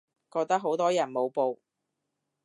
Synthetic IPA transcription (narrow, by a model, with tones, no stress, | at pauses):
kɔː˧k̚t̪ɐ˥k̚ɦo˨˥wt̪ɔː˥jɐ˨˩nmo˨˧wpo˨˧w